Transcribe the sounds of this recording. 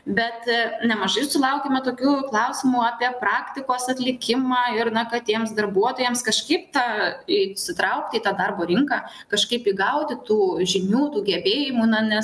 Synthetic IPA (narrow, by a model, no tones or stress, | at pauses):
bʲɛt̪nʲɛmɐʒɐɪsʊlˠɐʊkʲeːmʲɛt̪oːkʲuːklˠɐʊsʲɪmuːɑpʲiɛpɾɑːkt̪ʲɪkoːsɐt̪ʲlʲɪkʲɪmɑːɪrnɐkɐt̪ʲiɛmsd̪ɐrbuɔt̪oːjɛmskɐʃkɐɪp̚t̪ɑːiːsʲɪt̪ɾɐʊk̚t̪ʲɪiːt̪ɑːd̪ɐrboːɾʲɪŋkɑː | kɐʃkɐɪpiːɡɐʊt̪ʲɪt̪uːʒʲɪnʲuːt̪uːɡʲɛbʲeːjɪmuːnɐnʲɛs